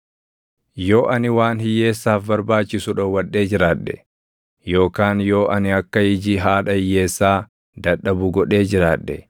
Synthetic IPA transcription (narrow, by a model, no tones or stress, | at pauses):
jo̞ːʔɐnɪwaːnhɪjːe̞ːsːaːfbɐɾbaːt͡ʃːɪsʊᶑɐwɐᶑːe̞ːd͡ʒɪɾaːᶑːɛ | jo̞ːkaːnjo̞ːʔɐnɪɐkːɐhɪd͡ʒiːɦaːᶑɐhɪjːe̞ːsːaː | d̪ɐᶑːɐbʊɡɔᶑe̞ːd͡ʒɪɾaːᶑːɛ